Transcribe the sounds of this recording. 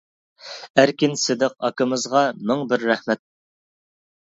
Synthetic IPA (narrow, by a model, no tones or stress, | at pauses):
æɾkʲinsɪd̪ɪqɑkɨmɨzʁɑmɪŋbɪɾːɛhmɛt̪̚